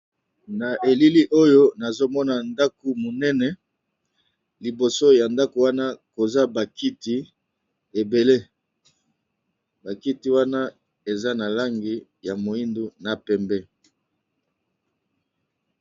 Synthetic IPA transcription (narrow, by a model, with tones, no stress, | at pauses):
na˨ʔe˨li˦li˦ʔo˦jo˦na˨zo˦mɔ˦na˨nda˦ku˨mo˨nɛ˦nɛ˨ | li˨bo˨so˦ja˨nda˦ko˨wa˦na˦ko˨za˦ba˨ki˦ti˦ | e˨be˨le˦ | ba˨ki˦ti˨˦wa˦na˦ | e˨za˦na˨la˦ŋɡi˨ | ja˨mo˨i˦ndu˦na˨pɛ˨mbɛ˦